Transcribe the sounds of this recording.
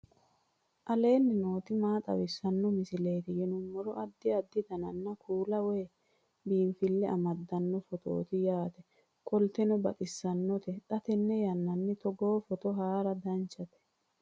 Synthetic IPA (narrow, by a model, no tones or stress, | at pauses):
ʔɐle̞ːnːɪno̞ːt̪ɪmaːt̪ʼɐ̰wɪsːɐnːɔmɪsɪleːt̪ɪjɛnʊmːɔɾɔʔɐd̪ːɪɐd̪ːɪt̪ɐnɐnːɐkʰuːlɐweː | biːnfɪlːɛɐ̰mɐd̪ːɐnːɔfɔt̪o̰ːt̪ɪjaːt̪ɛ | kʰɔlt̪ɛnɔbɐt̪ʼɪsːɐnːɔt̪ɛt̪ʼɐt̪ɛnːɛjɐnːɐnːɪt̪ɔɡo̞ːfɔt̪ɔɦaːɾɐd̪ɐnt͡ʃːɐt̪ɛ̥